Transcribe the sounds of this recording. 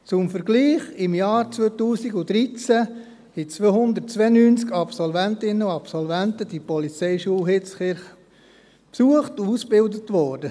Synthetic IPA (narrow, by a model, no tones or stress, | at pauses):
t͡sʊmfəɾɡliːχɪmjɑːɾt͡sʋøtuːsiɡud̥̪ɾit͡sæ | it͡sʋøhʊnd̪ətt͡sʋenyːnt͡skɑpsɔlvæntɪnəuɑpsɔlvæntəd̥ipɔlit͡sɛɪʃuəɦɪt͡sχɪɾχ | psuəχtuusb̥ɪldətʋɔːɾdə